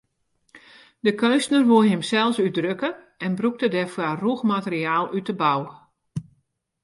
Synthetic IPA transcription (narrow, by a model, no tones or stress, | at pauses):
dəkønstnərʋuəɦɪmsɛlˠsydrøkə | ɛnbruk̚tədɛfwaruxmatərɾiaːlˠytəbaw